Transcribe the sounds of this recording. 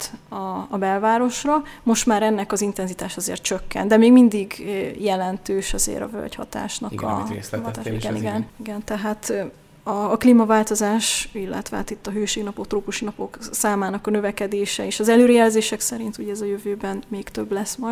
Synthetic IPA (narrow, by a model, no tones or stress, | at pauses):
t̪ɒːbɛlvaːɾo̞ʃrɒmo̞ʃt̪maːɾɛnːɛkɒzint̪ɛnzit̪aːʃɒzḛːrt̪̚t͡ʃø̞kːɛ̰nd̪ɛmeːɡmind̪iɡjɛlɛnt̪øːʃɒzḛːɾɒ̰vø̰lchɒ̰t̪a̰ːʃnɒkʰɒ̰ | iɡɛiɡɛniɡɛnt̪ɛɦaːt̪ | ɒːkliːmɒvaːlt̪o̞zaːʃilːɛ̰t̪ʋɛɦaːt̪it̪ːɒɦøːʃeːɡnɒpo̞k̚t̪roːpuʃinɒpo̞ksaːmaːnɒkɒnø̞vɛkɛd̪eːʃɛeːʃɒzɛløːɾɛjɛlzeːʃɛksɛɾint̪uɟɛɛzɒjøvøːbɛnmeːkt̪øblɛsmɒj